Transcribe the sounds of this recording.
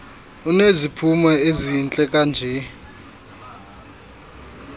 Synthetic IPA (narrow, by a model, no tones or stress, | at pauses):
unezipʰumwɛezint͡ɬʼɛkʼand͡ʒʱɛ